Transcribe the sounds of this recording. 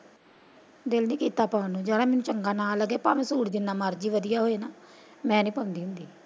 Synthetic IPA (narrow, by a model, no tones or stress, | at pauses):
d̪ɪlnĩːkiːt̪aːpaːnũːd͡ʒəːɽaːmɛːnũːt͡ʃəŋɡaːnaːlːəɡeːpaːmẽːsuːʈd̪ɪnːaːmaːɾd͡ʒiːʋəd̪ɪjaːɦoːeːnaː | mɛ̃ːnĩːpəʊ̃nd̪iːɦʊ̃nd̪iː